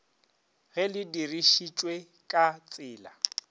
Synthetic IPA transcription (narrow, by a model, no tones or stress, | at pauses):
ɣɛlɪdiriʃit͡ʃʼwe | kʼat͡sʼɪːla